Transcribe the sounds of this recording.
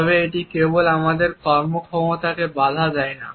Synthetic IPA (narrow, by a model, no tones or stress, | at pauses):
ɔβeeʈikebolamad̪eɾkɔɾmokʰɔmot̪akebad̪ʱad͡ʑaena̰